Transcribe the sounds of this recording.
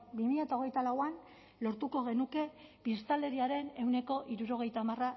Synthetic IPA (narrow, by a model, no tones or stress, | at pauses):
bimiʎat̪ao̞ɣ̞e̞jt̪alawan | lo̞ɾt̪uko̞ɣ̞e̞nuke̞pist̪ale̞ɾiaɾe̞ne̞wne̞ko̞ʔiɾuɾo̞ɣ̞e̞jt̪aːmara